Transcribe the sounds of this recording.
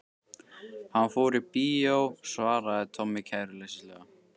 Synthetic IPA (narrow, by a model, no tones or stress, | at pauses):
hanfoːɾipiːowsvaːɾaðɪt̪ʰɔmːɪkʰaːjɾʏlɛsɪslɛɣa